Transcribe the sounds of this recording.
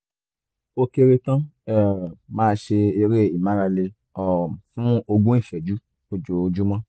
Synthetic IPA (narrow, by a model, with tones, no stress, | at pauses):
o˧ke˧ɾe˧tã˦ɛ˦˨mãː˦˧˦ʃe˧i˧ɾe˦˨i˨mã˨˦ɾa˧le˧ | ɔ˨fũ˦o˧ɡũ˦i˦˨fɛ˨d͡ʒu˦ | o˧d͡ʒo˨˧d͡ʒu˦mã˦